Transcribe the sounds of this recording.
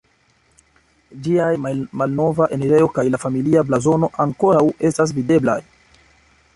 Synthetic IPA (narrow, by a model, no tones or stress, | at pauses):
d͡ʒiajmalno̞vaʔe̞neɾe̞jo̞kajlafamiliablazo̞no̞ʔaŋko̞ɾawe̞stas̬vide̞bla̰j